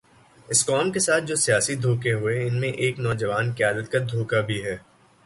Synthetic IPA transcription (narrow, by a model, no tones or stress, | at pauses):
ɪskɔːmkesaːt̪̚ʰd͡ʒoːsijaːsid̪ʱoːkeɦʊeɪnmẽʔeːknɔːd͡ʒɐʋaːnkɪjaːd̪ət̪̚kad̪ʱoːkabʱiɦɛː